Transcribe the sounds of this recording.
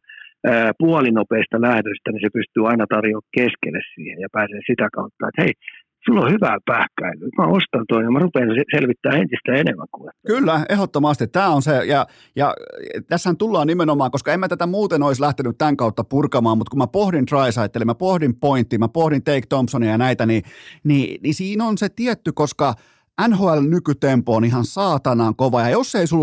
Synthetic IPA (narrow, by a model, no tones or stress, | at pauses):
əːpuɑlinopeist̪ɑlæhdøst̪ænisepyst̪yːɑinɑt̪ɑrjoːkkeskḛlːḛssḭːhejjɑpæːseːsit̪ækɑut̪ːɑ̰ḛt̪hei | sulːohyʋæːpæːhkːæilːˑyːt̪mæost̪ɑnt̪oinemærupeːneselʋit̪ːæːent̪ist̪æenemːæ̰ŋkuʋet̪ːkylːæehot̪ːomɑst̪it̪t̪æːonsejɑ | jɑ̰t̪æshænt̪ulːɑːnimenomɑːŋkoskɑemæt̪æt̪æmuːt̪enoislæht̪enyt̪t̪æŋkɑut̪ːɑpurkɑmɑːmmut̪kumæpohdint̪rɑisɑit̪ːelimæpohdimpoint̪ːˑiːmæpohdint̪eikt̪ompsonijɑnæit̪ænininisiːnonset̪iæt̪ːykoskɑ | ʔænhoːælnykyt̪empoonihɑnsɑːt̪ɑnɑːŋkoʋɑjɑjosːeisul